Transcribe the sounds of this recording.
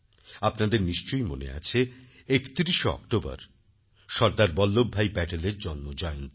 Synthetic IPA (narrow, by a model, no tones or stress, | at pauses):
apnad̪eɾniʃt͡ɕojmo̰nḛa̰t͡ɕʰe | ekt̪iɾiʃoɔ̰kʈoba̰ɾ | ʃɔɾd̪aɾbɔlːobʱːajbɛʈeleɾd͡ʑɔnːod͡ʑɔeont̪